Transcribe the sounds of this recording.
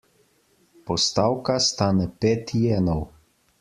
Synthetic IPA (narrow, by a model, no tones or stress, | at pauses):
pɔst̪awkast̪aːnɛpeːt̪jɛːnɔw